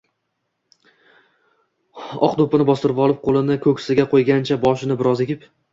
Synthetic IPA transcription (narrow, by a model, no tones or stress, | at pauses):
ɒ̰qd̪opɪnɪbɒst̪ɪɾɪpɒlˠɪp̚qʰolˠɪnɪkʰɵkʲsɪɡʲaqʰojɡʲant͡ʃʰabɒʃɪnɪbɪɾɒzekʲɪp